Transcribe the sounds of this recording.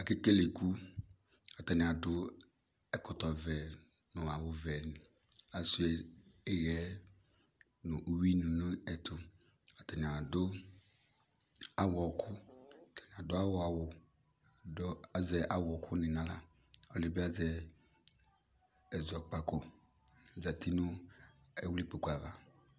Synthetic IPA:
a˨ke˦ke˦le˨ku˦ | ɔ˨tɛ˨nɪ˨a˨dʊ˦ | ɛ˦kʊ˨tɔ˨vɛ˨ | nʊ˨a˨wʊ˨vɛ˨nɪ˨ | a˨su˦e˨e˦ɣɛ˨˦ | nʊ˨ʔu˦wi˦nu˨nʊ˦ɛ˨tʰʊ˨ | ɔ˨tɛ˨ni˨a˨dʊ˦ | a˨wɔ˨kʰʊ˦˨tɛ˨ni˨a˨dʊ˦a˦wʊ˦a˨wʊ˨ | da˦zɛ˨ʔa˨wɔ˨kʰʊ˦nɪ˨nã˦la˨ | ɔ˦lɪ˨ba˦zɛ˨ | ɛ˨zɔ˨k͡pa˨ko˨ | za˨tʰi˦nʊ˦ɛ˦wu˦li˦k͡po˨ku˨a˨va˨

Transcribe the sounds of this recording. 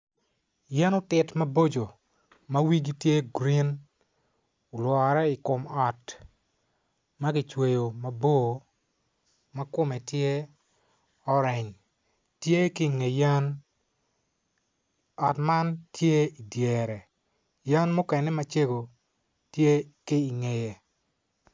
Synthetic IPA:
ja˦no˦tɪ˨tma˦bo˦d͡ʒo˨ | ma˦wi˦ɡi˦tje˦ɡɾi˦n | ʊ˨lwɔ˨ɾɛ˦ɪ˨kʊ˨mɔ˨t | ma˦ɡɪ˨t͡ʃwe˨jo˨ma˨bo˦ | ma˦kʊ˦mɛ˨tje˦ | ɔ˦ɾɛ˨ɲ | tje˦kɪ˦˨ŋe˨ja˦n | ɔ˨tma˦ntje˦i˨dje˨ɾɛ˨ | ja˦nmʊ˦kɛ˨nɛ˦ma˦t͡ʃe˦ɡo˨ | tje˦kɪ˦i˨ŋe˨je˨

